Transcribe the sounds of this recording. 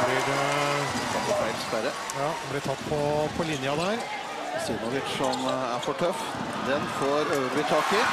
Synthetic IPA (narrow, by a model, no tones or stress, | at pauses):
blɪɾ | æd̪əfæɪt̪ɪ̥sʋæɾə | jɑːblɪt̪ʰɑt̪ːpʰɔpʰɔlɪnjɑd̪æɾ | siːnɔʋɪʈsɔmæɾfɔʈʰœf | d̪ɛnfoːɾøːəɾbɪt̪ʰɑːkə